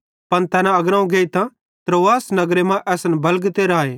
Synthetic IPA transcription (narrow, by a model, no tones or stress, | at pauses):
pɐnt̪ɛːnãɐɡɾãːũɡeːit̪ã | t̪ɾoːʋaːsnɐɡɾemãʔɛːsnbɐlɡt̪eɾaːeː